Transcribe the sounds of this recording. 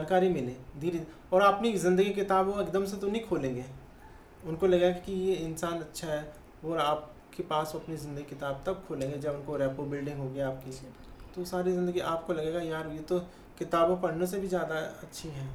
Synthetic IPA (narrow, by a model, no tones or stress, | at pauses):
d͡ʒaːnkaːɾimɪlẽːd̪iːɾi | ɔːɾaːɐpnizɪ̃nd̪əɡikɪt̪aːboɪkd̪əmset̪onĩkʰoːlẽːŋɡeː | ʊnkolɐɡekijeɪnsaːnɐtːʃʰaɦɛː | ʋoːaːp̚ | kepaːsoɐpnizɪ̃nd̪əɡikɪt̪aːb̚t̪ɐk̚kʰːoːlẽːŋɡed͡ʒɐbʊnkoɾɛːpobɪlɖɪ̃ŋɡɦoːɡeaːp̚ki | t̪osaːɾizɪ̃nd̪əɡiʔaːp̚kolɐɡeːɡajaːɾɦuet̪o | kɪt̪aːbõpɐɽnes̬ebʱizjaːd̪aɐtːʃʰiɦɛː